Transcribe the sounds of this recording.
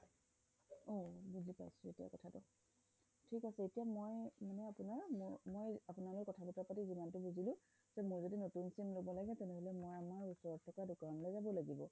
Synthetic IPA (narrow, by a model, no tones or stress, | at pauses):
obuzipa̰jsʊetija̰kɔtʰatʊ | tʰikasɛetijamojmanɛapunaɹmmojapʊnalokkɔtʰabutapatizimantʊbuzilʊ̃ | zɛmʊɹzodinotunsimlobɔlaɡɛtɛnɛɦolɛmojamaɹusɔɹɔt̚tʰːɔkadʊkanɔlɔjzabɔlaɡibɔ